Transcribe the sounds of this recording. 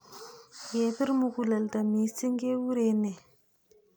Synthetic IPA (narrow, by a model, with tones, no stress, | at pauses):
je˨pi˦ɾmu˨ku˨la˨lda˨mi˨si˦ŋɡe˦wu˦ɾe˨ne˨